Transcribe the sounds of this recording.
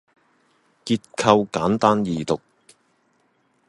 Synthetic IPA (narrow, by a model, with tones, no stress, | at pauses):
kiː˧t̚kʰɐ˧wkaː˨˥nt̪aː˥njiː˨t̪ʊ˨k̚